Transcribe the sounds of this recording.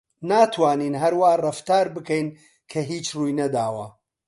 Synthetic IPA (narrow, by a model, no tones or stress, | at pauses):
naːt̪ʰwaːniːnɦɐɾwaːrɐft̪aːɾbɨkɛjn | kʰɐɦiːt͡ʃruːjnɐd̪aːwɐ̰